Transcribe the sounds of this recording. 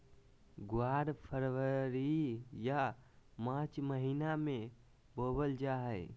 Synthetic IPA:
ɡwaɾpʰəɾʋəɾijamãt͡ʃməɦiname | bobəld͡ʒaɦəɪ

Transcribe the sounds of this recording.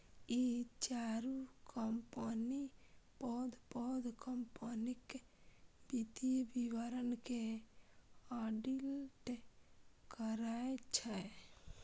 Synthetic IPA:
it͡ʃaɾukɔmpənipɔd̪pɔd̪kəmpənik | bit̪ibiwəɾənke | aɖilʈ | kəɾaet͡ʃʰɛ

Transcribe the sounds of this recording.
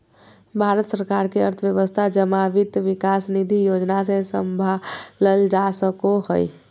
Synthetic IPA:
bʱaɾət̪səɾkaɾkeəɾt̪ʰəʋjəʋəst̪ʰad͡ʒəmaʋit̪ʋikasnid̪ʱijod͡ʒnas̬ẽsəmbʱaləld͡ʒasəkohəj

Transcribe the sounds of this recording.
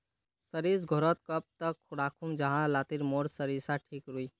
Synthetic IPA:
səɾisɡʱoɾət̪kəp̚t̪əkʰːuɽakʰumd͡ʒəɦãlat̪iɾmoɾsəɾisaʈʰikɾui

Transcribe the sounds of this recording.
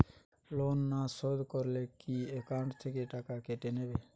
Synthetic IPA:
lonːasɔd̪ʱkɔɾlekiekaʊ̃ɳʈt̪ʰekeʈakakeʈenebe

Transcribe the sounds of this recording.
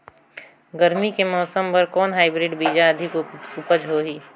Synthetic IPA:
ɡɐɾmikemɔːsəmpɐɾkɔːnɦaːɪbɾɪɖbiːd͡ʒaɐd̪ʱɪkʊpəd͡ʒɦoːɦiː

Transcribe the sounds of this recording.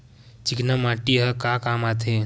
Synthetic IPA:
t͡ʃiknamaʈiɦəkakamat̪ʰe

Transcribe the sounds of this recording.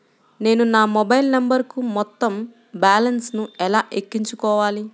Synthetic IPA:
ne̞ːnunaːmobɐjlnɐmbɐɾkumɔt̪ːɐm | baːlɐnsnuɛlaːʔekːiɲt͡ʃukɔːʋaːli

